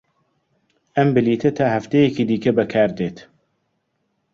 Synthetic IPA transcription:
ɐmbɨliːt̪ʰɐt̪ʰaːhɐft̪ejɛkiːd̪iːkɐbɐkʰaːɾd̪eːt̪

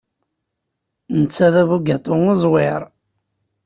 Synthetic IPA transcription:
nət͡sːæðævuɡæt̪ˤoŋozˤwɪɾˤ

